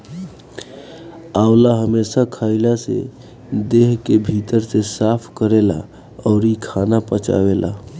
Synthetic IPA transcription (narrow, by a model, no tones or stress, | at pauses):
aʊlaɦəmesakʰaɪlasḛ | d̪eɦkebʱit̪əɾsesapʰkəɾela̰ | ɔʊɾikʰanapət͡ʃa̰belʔa̰